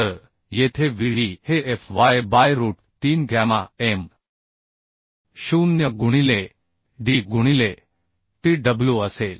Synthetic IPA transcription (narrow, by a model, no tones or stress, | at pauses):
əɾ | jet̪ʰeʋiɭ̤iheefʋajbajɾuːʈ̚t̪iːnɡʱamaem | ɕuːnjəɡuɽ̃ile | ɖiɡuɽ̃ile | ʈiɖəbljuəseːl